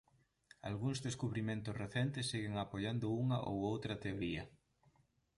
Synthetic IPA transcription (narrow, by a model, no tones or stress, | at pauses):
a̰lɣuŋzðeskuβɾimẽnt̪ʊsreθɛnt̪ɪsːiɣeŋapoʎand̪ʊuŋɐ̰ʔo̰wowt̪ɾɐt̪eoɾiɐ